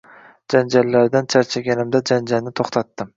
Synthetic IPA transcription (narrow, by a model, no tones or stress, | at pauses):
d͡ʒand͡ʒalːaɾd̪ant͡ʃʰaɾt͡ʃʰaɡʲanɪmd̪ad͡ʒand͡ʒalnɪt̪ʰoχt̪ʰat̪ːɪm